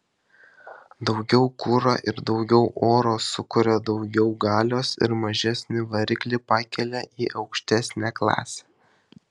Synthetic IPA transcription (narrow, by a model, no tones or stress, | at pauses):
d̪ɒʊɡʲɛʊkʊɾɐ̰ʔɪɾd̪ɒʊɡʲɛʊʔoːɾoːsʊkʊɾʲɛd̪ɒʊɡʲɛʊɡɑːlʲoːsɪ̰ɾmɐʒʲæsʲnʲɪʋɐɾʲɪklʲɪpɑːkʲɛlʲɛʔiːʔɒʊkʃʲt̪ʲæsʲnʲæːklˠɑ̰ːsʲɛ̥